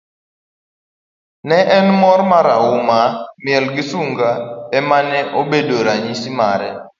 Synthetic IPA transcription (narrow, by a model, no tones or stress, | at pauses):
nɛʔɛnmɔɾmaɾawʊmamjɛlɡisuŋɡaɛmanɛʔobedoɾaɲisimaɾɛ